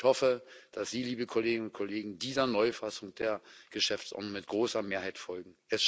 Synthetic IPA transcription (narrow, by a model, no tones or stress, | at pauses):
hɔfəd̥asz̥iːliːbəkʰʊleːɡɪnʊntkʰoleːɡŋ̩diːzɐnɔʏfasʊŋd̥eːɐɡ̥əʃɛft͡sʔɔ̰ɐtnʊŋmɪt̚ɡ̥ʁoːsɐmeːɐɦaɪtfɔlɡŋ̩ʔɛs